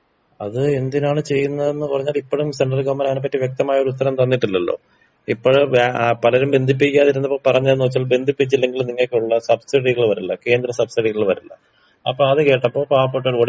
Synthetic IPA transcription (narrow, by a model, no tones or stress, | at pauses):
ɐðɨe̞nd̪inaːɳɨt͡ɕe̞jːunːɐðe̞nːɨpurɐɲːaːlipːoɽumse̞ɳɖrɐlɡoːmɐnaːnepːɐtːiʋjek̚t̪ɐmaːjɐo̞ɾuut̪ːɐɾɐmt̪ɐnːiʈːilːɐlːo̞̰ː | ipːoɻpɐlɐɾumbe̞nd̪ʱip̬ːikʲːaːðiɾunːɐpːoːɭpɐrɐɲːɐðenːoːt͡ɕːaːlbe̞nd̪ʱipːit͡ɕːilːe̞ŋɡilumniŋːɐkːeuɭːɐsɐbsiɽiɣɐɭʋɐɾulːɐke̞ːnd̪rɐsɐbsiɽiɣɐɭʋɐɾulːɐ̰ | ɐpːoːɐðɨke̞ːʈːɐpːo̞ːɭpaːpːoʈːoɾoɽ